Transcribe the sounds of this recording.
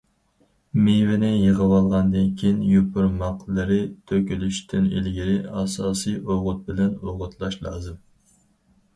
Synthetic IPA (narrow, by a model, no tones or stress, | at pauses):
mevɪnɪjəʁəwɑlˠʁɑnd̪ɨnkʲʰijnjupʰʊɾmɑqlˠɨɾɨt̪ʰøkʲylyʃt̪ʰɪnḛlɡʲiɾɪɑsɑːsɨjʔoʁʊt̪̚bɪlɛnoʁʊt̪ʰlˠɑʃlˠɑ̰ːzɨm